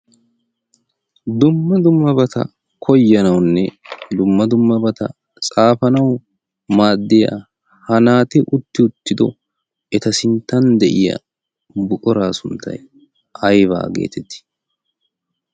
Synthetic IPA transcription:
d̪ʊmːɐd̪ʊmːɐbɐt̪ʰɐ̰ | kʰɔjːɐnɐwnːɛd̪ʊmːɐd̪ʊmːɐbɐt̪ɐ̰ | t͡sʼaːfɐnɐw | maːd̪ːɪja̰ | hɐnaːt̪ɪʔʊt̪ːɪʊt̪ːɪd̪ɔ̰ | ɛt̪ɐsɪnt̪ːɐnd̪ɛʔɪjɐ̰ | bʊkʼɔɾaːsʊnt̪ʰːɐ̰j | ɐjβa̰ːɡe̞̰ːt̪ʰɛt̪ːɪ̥

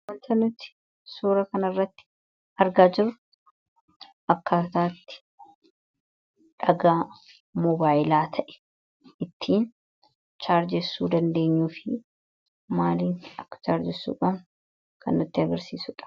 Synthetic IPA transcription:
wɐnt̪ɐnːʊt̪ːɪ̥ | suːɾɐkɐnɐrːɐt̪ːɪ̥ | ɐɾɡaːd͡ʒɪɾːʊ | ʔɐkːaːt̪aːt̪ːɪ̥ | ᶑɐɡaː | mɔbaːjɪlaːt̪ʰɐʔɛ̥ɛ | ʔɪt̪ʰːiːn | t͡ʃaːɾd͡ʒɛsːuːd̪ɐnd̪e̞ːɲːuːfɪ | maːliːnɐkːɐ̥t͡ʃaːɾd͡ʒɛsːṵːkʼɐm | kʰɐnːʊt̪ːɪɐɡɐɾsiːsʊᶑɐ̥

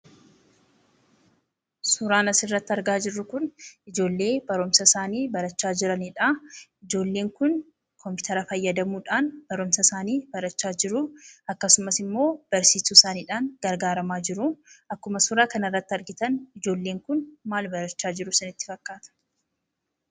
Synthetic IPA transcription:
sʊɾaːnɐsɪrːɐt̪ːɪɐɾɡaːd͡ʒɪrːʊkʊnɪd͡ʒo̞ːlːe̞ːbɐɾʊmsɐsaːniːbɐɾɐt͡ʃːaːd͡ʒɪɾɐnɪᶑaɪd͡ʒo̞ːlːe̞ːŋkʊn | kʰɔmpɪ̥t̪ʰɐɾɐfɐjːɐd̪ɐmuːᶑaːnb̥ɐɾʊmsɐsaːniːbɐɾɐt͡ʃːaːd͡ʒɪɾʊɐkːɐsʊmɐsɪmːo̞ːb̥ɐɾsiːsusaːniːᶑaːnɡ̥ɐɾɡaːɾɐmaːd͡ʒɪɾʊɐkːʊmɐsʊɾaːkɐnɪrːɐt̪ːɪɐɾɡɪt̪ɐnɪd͡ʒo̞ːlːeːŋkʊnmaːlbɐɾɐt͡ʃːaːd͡ʒɪɾʊsɐnɪt̪ːɪ̥fɐkːaːt̪ɐ̥

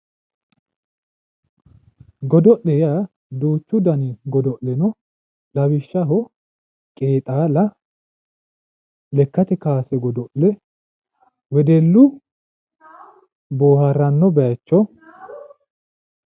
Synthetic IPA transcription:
ɡɔd̪ɔʔlɛja | d̪uːt͡ʃːʊd̪ɐnɪɡɔd̪ɔʔlɛnɔ | lɐwɪʃːɐɦɔ | kʼeːt̪ʼaːlɐ | lɛkːɐt̪ɛkaːsɛɡɔd̪ɔʔɛ | wɛd̪ɛlːʊ | boːhɐɾːɐnːɔbɛt͡ʃːɔ

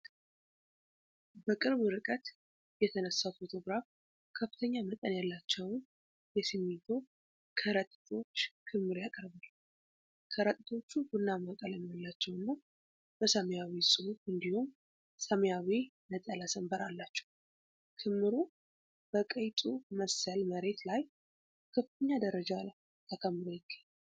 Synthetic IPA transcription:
bəkʼɨɾβɨɾɨkʼət̪ | jɛt̪ʰənəsːafo̞t̪ʰo̞ɡɾaf | kʰəfɨ̥t̪ʰəɲːamət̪ʼənjalːat͡ʃːɛwn | jɛsimːit̪ʰo̞ | kʰəɾət̪ʼt̪ʰo̞t͡ʃːkʰɨmːɨɾjakʼəɾβal | kʰəɾət̪ʼt̪ʰo̞t͡ʃːubɨnːaməkʼələnjalːat͡ʃːɛwɨnːa | b̥əsəmjawisʼɨhufɨnd̪ihum | səmjawinət̪ʼəlasəmbəɾalːat͡ʃːɛ̥w | kʰɨmːɨɾu | b̥əkʼəjt̪ʼuməsəlməɾe̞t̪laj | kʰəfɨt̪ʰəɲːad̪əɾəd͡ʒa | akʰəmːɨɾojɪɡːaɲːa

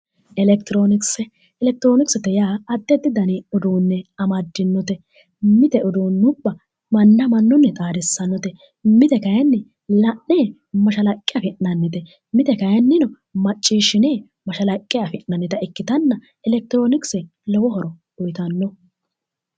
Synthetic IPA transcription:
ʔɛlɛk̚t̪ɪɾoːnɪksɛ | ɛlɛk̚t̪ɪɾoːnɪksɛt̪ɛjaːɐd̪ːɛd̪ːɪd̪ɐniɔd̪oːnːɛɐmɐd̪ːɪnːɔt̪ɛ | mɪt̪ɛʔɔd̪oːnːʊbːɐ | mɐnːɐmɐnːɔnːɛt̪ʼaːd̪ɛsːɐnːɔt̪ɛ | mɪt̪ɛkɐjɐnːɛ | lɐʔneː | mɐʃɐlɐkʼːɪjɐfɪʔnɐnːɪt̪ɛ | mɪt̪ɛkɐjɐnːɪnɔ | mɐt͡ʃʼːiːʃːɪneː | mɐʃɐlɐkʼːɪjɐfɪʔnɐnːɪt̪ɐɛkːɪt̪ɐnːɐ | ɛlɛk̚t̪ɪɾoːnɪksɛ | lɔwɔhɔɾɔ | ɔjt̪ɐnːɔ

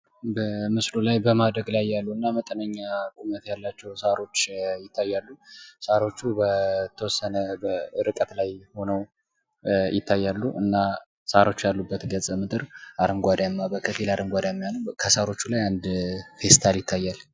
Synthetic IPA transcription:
bəmɨslulajbəmad̪ɾəɡlajːalːuɨnːamət̪ʼənəɲːakʼumət̪jalːat͡ʃːɛwsaɾo̞t͡ʃːjɪt̪ʰːajːalːusaɾo̞t͡ʃːubət̪ʰːəwɔsːənəbəɾɨkʼət̪lajho̞nəw | jɪt̪ʰːajːalːuʔɨnːa | saɾo̞t͡ʃːjalːubːət̪ɡəsʼəmɨt̪ʼɨɾaɾɨŋɡʷad̪jamːabəkʰəfilaɾʔɨŋɡʷad̪jamːjanəwkʰəsaɾo̞t͡ʃːulajand̪fe̞st̪ʰaljɪt̪ʰːajːal

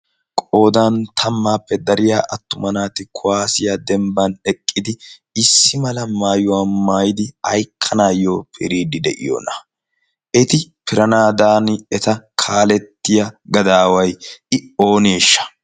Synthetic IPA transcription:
kʼo̞ːd̪aːnt̪ʰɐmːaːpːɛd̪ɐɾɪjaːʔɐt̪ːʊmɐnaːt̪ɪkʰʊwaːsɪjad̪ɛmbɐnɛkʼːɪd̪ɪɪsːɪmɐlɐmaːjʊwaːmaːjd̪ɪɐjkʰːɐnaːjo̞ːpʰɪ̰ɾiːd̪ɪd̪ɛ̰ʔɪ̰jo̰ːnɐ̥ | ʔɛt̪ɪpɪɾɐnaːd̪aːnɛt̪ɐkʰaːlɛt̪ːɪjɐɡɐd̪aːwɐjʔɪo̞ːneːʃːɐ̥

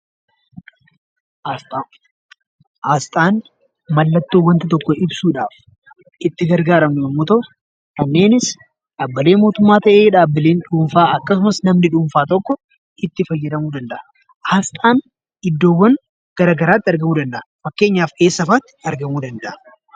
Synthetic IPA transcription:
haːst̪ʼaːn | mɐlːɐt̪ːoːwɐnt̪ɪt̪ɔkːɔɪbsuːᶑaːf | ɪt̪ːɪɡɐɾɡaːɾɐmnʊjɐmːoːt̪ɐʔʊ | kɐnːe̞ːnɪs | ᶑabːɐle̞ːnmo̞ːt̪ʊmːaːt̪ɐʔeːᶑaːbːɪleːnᶑuːɱfaːɐkːɐsʊmɐsnɐmnɪᶑuːɱfaːt̪ɔkːɔ | ɪt̪ːɪfɐjːɛd̪ɐmuːd̪ɐnd̪ɐʔɐ | haːst̪ʼaːn | ɪd̪ːo̞ːwːɐn | ɡ̥ɐɾaːɡɐɾaːt̪ːɪɐɾɡɐmuːd̪ɐnd̪ɐʔɐfɐkːe̞ːɲːaːfe̞ːsːɐfaːt̪ːɪ̥ɐɾɡɐmuːd̪ɐnd̪ɐʔɐ

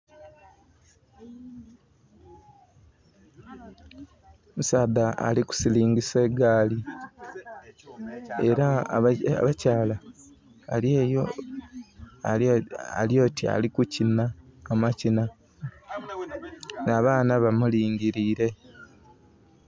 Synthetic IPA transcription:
musaːd̪aa̰liku̥siliːŋɡise̞ːɡaːli | eɾa̰ | βacaːla | a̰leːjo | a̰a̰ljo̞ːtʰia̰likucinaːmacina | naːβaːnaβamuliːŋɟiɾiːɾe̞

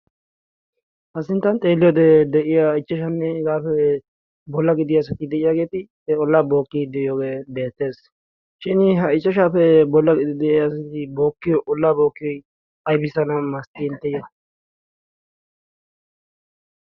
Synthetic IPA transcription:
hɐsɪnt̪ːɐnt̪ʼe̞ːlːɪjɔd̪ɛd̪ɛʔɪjaɪt͡ʃːɐʃ̬ɐnːɛɡaːfɛ | bɔlːɐɡɪd̪ɪjɐs̬ɐt̪ɪd̪ɛʔɪjaːɡe̞ːt̪ɪ | ɛɔlːaːbo̞ːkːɪd̪ɛʔɪjoːɡeːbe̞ːt̪ːe̞ːs | ʃɪnɪɦɐɪt͡ʃʼːɐʃaːfɛbɔlːɐɡɪd̪ɪd̪ɛʔjɐsɐt̪ɪbo̞ːkːɪjɔʔɔlːaːbo̞ːkːɪɔj | ɐjbɪsɐnɐmɐst̪ɪɪnt̪ːɛjɐ

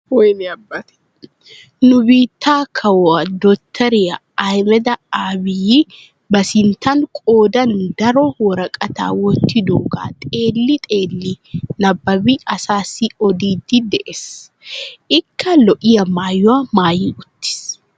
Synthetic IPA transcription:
wɔjnɪɐbːɐt̪ɛ̥ | nʊbiːt̪ʰːaːkʰɐwɐd̪ɔt̪ʰːɐɾɪjɐ | ajmɛd̪ɐaːbɪji | bɐsɪnt̪ʰɐŋkʼoːd̪ɐnd̪ɐɾɔwɔɾɐkʼɐt̪a̰ːwɔnt̪ːɪd̪oːɡa̰ːt̪ʼe̞ːlːɪt̪ʼeːlːi | nɐbːɐbiɐsaːsɪɔd̪iːd̪id̪ɛʔes | ʔɪkʰːɐlɔʔɪjɐmaːjɔɐmaːjiʔʊt̪ːɪ̥s

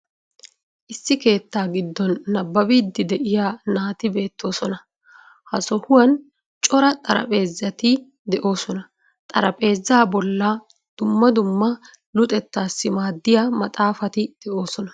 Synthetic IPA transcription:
ʔɪsːɪke̞ːt̪ːaːɡɪd̪ːɔnːɐbːɐbiːd̪ːɪd̪ɛʔɪjaːnaːt̪ɪbe̞ːt̪ʰːo̞ːsɔnɐ | hɐsɔhʊwɐn | t͡ʃʼɔɾɐt̪ʼɐɾɐ̰pʼe̞ːzːɐt̪ɪ | d̪ɛʔo̞ːsɔnɐ | t̪ʼɐɾɐpʼe̞ːzːaːbɔlːɐ | d̪̥ʊmːɐd̪ʊmːɐ | lʊt̪ʼɛt̪ːaːsːɪmaːd̪ːɪjaːmɐt̪ʼaːfɐt̪ɪd̪̥ɛʔo̞ːsɔnɐ

